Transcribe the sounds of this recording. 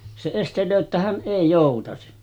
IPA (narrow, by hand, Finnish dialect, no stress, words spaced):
se estelˑøː tːæ hæn ʔeˑi joˑutɑsi